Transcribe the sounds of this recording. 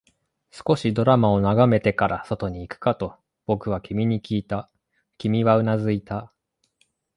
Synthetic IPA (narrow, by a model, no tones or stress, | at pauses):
sɨ̥ko̞ɕid̪o̞ɾamao̞naɡame̞t̪e̞kaɾaso̞t̪o̞ɲ̟iːkɯ̟̥kat̪o̞ | b̥o̞kɯ̟β̞akʲimʲiɲ̟ikʲiːt̪a | kʲimʲiβaɯ̟nazɨit̪a